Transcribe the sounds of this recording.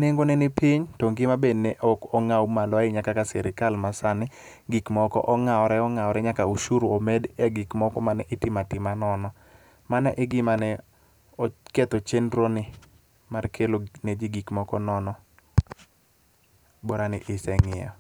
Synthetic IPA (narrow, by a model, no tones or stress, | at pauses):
neŋɡonɛnɪpɪɲtoŋɡɪmabednɛʔɔkɔŋawmalɔɪɲakakasɛɾɪkalmasanɪ | ɡikmɔkɔ̰ʔɔŋaɔɾɛɔŋaɔɾɛɲakauʃuɾoomɛdɛɡɪkmɔkɔmanɛʔɪtɪmatɪmanɔnɔ | manɛʔɪɡɪmanɛ | ɔket̪ot͡ʃendɾonɪ | markʰeloned͡ʒiɡikmɔkɔnɔnɔ | bɔɾanɪ̰ʔɪsɛŋɪɔ̰